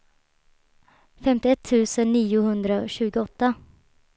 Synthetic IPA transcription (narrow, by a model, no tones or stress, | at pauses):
fɛmt̪ɪɛt̪ʰːʉ̟ːsənːiːʊhɵnd̪ɾaɔɕʉ̟ːɡʊɔt̪ːa